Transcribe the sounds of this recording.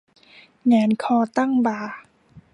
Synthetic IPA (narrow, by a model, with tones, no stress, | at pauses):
ŋaː˨˦nkʰɔː˧t̪a˥˩ŋbaː˨˩